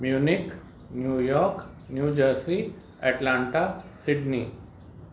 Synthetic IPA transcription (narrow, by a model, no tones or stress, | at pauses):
mjuːnik | njuːjɔːɾk | njuːd͡ʑəɾsi | ɛʈlãːɳʈasiɖni